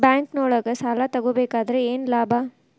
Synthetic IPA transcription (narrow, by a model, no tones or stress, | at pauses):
bjaːŋknoːɽɐɡɐsaːlat̪ɐɡobeːkaːd̪ɐɾeeːnlaːbʱa